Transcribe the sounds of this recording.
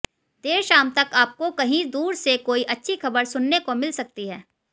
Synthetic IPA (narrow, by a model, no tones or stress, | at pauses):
d̪eːʃaːmt̪ɐkaːp̚kokɐɦĩd̪uːɾsekoːiʔɐtːʃʰixɐbəɾsʊnːekomɪlsɐk̚t̪iɦɛː